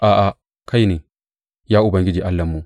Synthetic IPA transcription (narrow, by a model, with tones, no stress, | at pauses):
ʔa˨ʔa˨ | kʰa˦jni˨ | jaː˦ʊ˦bɐ˨ŋɡɪ˦d͡ʒi˨ʔa˦lːɐ˨mːu˨